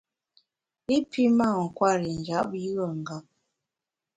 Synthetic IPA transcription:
i˦pʰi˦ma˦˨ŋ̩˨kwa˦˨ɾi˨n˨d͡ʒa˨˦p̚ji˦ɣə˨ŋ̩˨ɡa˦p̚

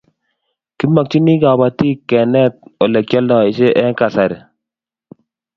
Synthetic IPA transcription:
kɪ˦ma˨k̚t͡ʃi˦ni˦ka˨ba˨ti˦kːɛ˨nɛ˦t̚ɔ˨lɛ˨k̚t͡ʃɔ˦lɔ˨ɪ˦ʃe˦ʔɛ˦ŋka˨sa˨ɾɛ˨

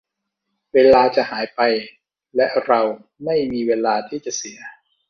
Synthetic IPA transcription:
weː˧laː˧t͡ɕa˨˩haː˩˦jpa˧j | lɛ˦˥ɾa˧w | ma˥˩jmiː˧weː˧laː˧t̪ʰiː˥˩t͡ɕa˨˩si˨˩˦ɐ

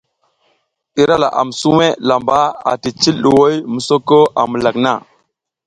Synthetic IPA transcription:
ɗi˦ɾa˦la̰˨ʔa̰˨m˨su˦me˦la˨mba˦a̰˨ti˨t͡ʃi˦lɗu˨wo˦jmu˨so˦ko˦ʔa̰˨mu˨la˨kna˦˨

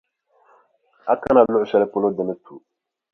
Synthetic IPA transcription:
a̰˦ka˦na˨lo˦u˨sɛ˦lɛ˦po˦lo˦dɛ˨mɛ˦tu˨

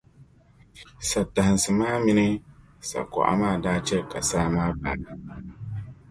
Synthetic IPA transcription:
sa˨ta˨hɨ˨nsɨ˨maː˦mi˦nɨ˦ | sa̰˨kɔ̰˨ʔa̰˦maː˦˨daː˦t͡ʃɛ˦ka˨saː˦maː˦ba̰˨nɨ˨

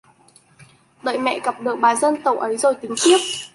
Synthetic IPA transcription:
ɗə̰ː˧˨jmɛ̰˧˨ɣə˨˩p̚ɗɨ˨˩ək̚ɓaː˨˩zə˧nt̪ə˨˩wʔə˨˦jzo˨˩jt̪ï˨˦ŋt̪i˦˥əp̚

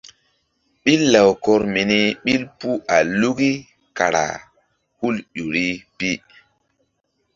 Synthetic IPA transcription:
ɓi˦lːa˨wkɔ˦ɾmi˨ni˦ɓi˦lpu˦ʔa˨lu˦ɡi˦ | ka˨ɾa̰˨ | hu˦lɗu˨ɾi˦pi˦

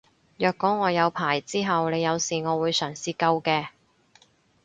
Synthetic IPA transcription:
jœː˨kːɔː˨˥ŋɔː˨˧jɐ˨˧wpʰaː˨˩jt͡siː˥ɦɐ˨wne˨˧jːɐ˨˧wsiː˨ŋɔː˨˧wuː˨˧jsœː˨˩ŋsiː˨˧kɐ˧wkɛː˧

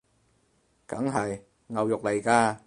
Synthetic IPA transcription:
kɐ˨˥ŋɦɐ˨j | ŋɐ˨wjʊ˨k̚le˨˩jkaː˧

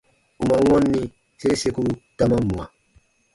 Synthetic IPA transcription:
u˨ma˨wɔ̃˦nːi˦ | se˦ɾe˦se˦ku˦ta˦ma˦mːũ˨a˨

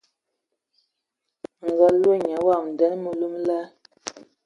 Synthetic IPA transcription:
ŋ̩˨ɡa˦lo˦ɲa˨˦wa˦˨m˨dɛ˦n˦mu˨lu˦mla˦

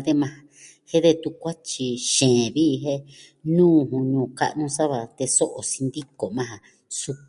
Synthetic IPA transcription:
d̪e˧mã˧a | he˦ðe˧t̪u˧kʷa˦t͡ʃi˧ʃẽː˨βi˦˧ɦe˦ | nũː˦˨ɦũ˧ɲũː˨ka̰˦ʔnũ˦sa˦βa˧t̪e˧so˦ʔo˨si˧nd̪i˦ko˨mã˦˧ɦa˧ | su˧k

